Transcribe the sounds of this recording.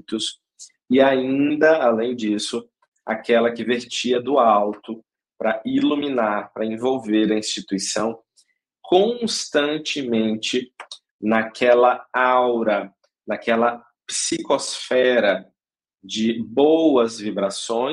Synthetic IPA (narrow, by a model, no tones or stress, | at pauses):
t̪ʊs | ɪaĩd̪ɐalẽj̃d͡ʒisʊ | a̰kɛlɐkɪveɾt͡ʃiɐd̪ʊawt̪ʊ | pɾɐʔiluminaɾpɾɐẽvowveɾɐĩst͡ʃit̪uisɐ̃w̃ | kʰõst̪ɐ̃nt͡ʃɪmẽnt͡ʃɪ | nɐkʰɛlɐawɾɐ | nakɛlɐ | psikosfɛɾɐ | d͡ʒɪbowɐzvibɾasõ